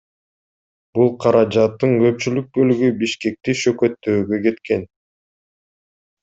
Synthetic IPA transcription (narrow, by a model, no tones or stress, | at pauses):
b̥ulˠqʰɑɾɑd͡ʒɑt̪ːɯŋkø̞p̚t͡ʃylyk̚bø̞lyɡybiʃke̞k̚t̪iʃø̞køt̪ːøːɡøke̞t̪ke̞n